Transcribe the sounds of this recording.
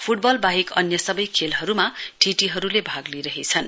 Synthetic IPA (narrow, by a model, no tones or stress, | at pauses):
pʰuʈ̚bʌlbaɦikʌnjʌsʌbʌjkʰelɦʌɾumaʈʰiʈiɦʌɾulebʱaɡliɾʌɦet͡sʰʌn